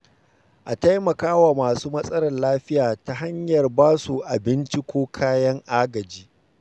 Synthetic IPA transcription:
ʔa˨ta˦jmɐ˨kaː˦waː˨maː˨suː˦mɐ˦sʼɐ˦ɽɐ˨nlaː˦ɸɪ˦jaː˨ta˦ɦa˦ɲjɐ˨rbaː˦su˨ʔa˨bɪ˦nt͡ʃi˦kʷoː˦kʰaː˦jɐ˦ŋʔaː˦ɡɐ˨d͡ʒiː˦

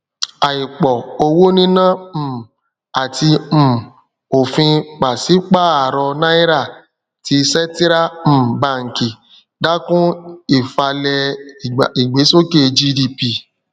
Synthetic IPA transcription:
a˨i˨k͡pɔ˨o˧wo˦nĩ˦nã˦˨ | a˨ti˧m̩˨ | o˨fĩ˧k͡pa˨si˨˦k͡pa˦˨a˨ɾɔ˧nã˦i˦ɾa˦˨ | ti˧sɛ˦ti˦ɾa˦˨m̩˦˨ba˦˨ŋ̩˨ki˨ | da˦kũ˦i˦˨fa˧lɛ˧˨ | i˨ɡ͡be˨˦so˦ke˦˨˧d͡ʒi˦di˧pi˧˨

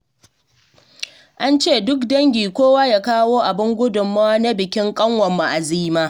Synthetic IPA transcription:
ʔa˦nt͡ʃeː˦˨dʊ˦kdɐ˦ŋɡʲiː˨kʷoː˦waː˦ja˦˨kaː˦woː˦ʔa˨bɪ˦ŋɡʷʊ˦dʊ˨mːaː˦na˦bɪ˨kʲɪ˦ŋkʼɐ˦ŋwɐ˨mːa˨ʔa˨ziː˦maː˦

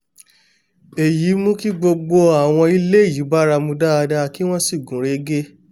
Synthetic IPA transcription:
e˨ji˨˦mũ˦ki˦ɡ͡bo˧ɡ͡bo˧a˦˨w̃ɔ̃˧i˧le˦i˦˨ji˨˦ba˦ɾa˧mũ˧daː˦˧da˧ki˦w̃ɔ̃˦si˦˨ɡũ˨˦ɾe˦ɡe˦

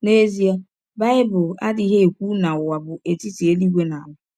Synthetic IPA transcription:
ne˦zi˦a˦ | ba˦ɪ˦bʊ˨la̰˦dɪ˨˦ɦe˦e˨kʷu˦na˨ʊ˨wa˨bʊ˨ʔe˨ti˦ti˨e˦li˦ɡʷe˦na˨lʊ˦

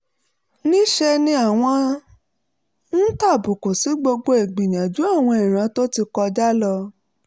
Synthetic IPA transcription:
nĩ˦ʃɛ˧nĩ˧a˨w̃ɔ̃˧ | n̩˦ta˦˨bu˨ko˨si˨˦ɡ͡bo˧ɡ͡bo˧e˨ɡ͡bĩ˨j̃ã˨d͡ʒu˨˦a˦˨w̃ɔ̃˧i˨ɾ̃ã˨˧˦to˦ti˧kɔ˧d͡ʒa˦lɔ˧

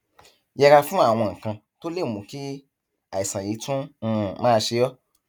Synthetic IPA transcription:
jɛ˧ɾa˧fũ˦a˦˨w̃ɔ̃˧˨ŋ̩˨kã˧ | to˦le˦˨mũ˨ki˦ | a˨i˨sã˨ji˨˦tũ˦˨mãː˦˧ʃe˧jɔ˦

